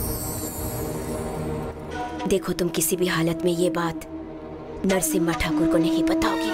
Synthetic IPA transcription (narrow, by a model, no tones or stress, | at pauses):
d̪eːkʰot̪ʊmkɪsibʱiɦaːlət̪mẽjebaːt̪ | nɐɾsɪmːaʈʰaːkʊɾkonɐɦĩpɐt̪aoːi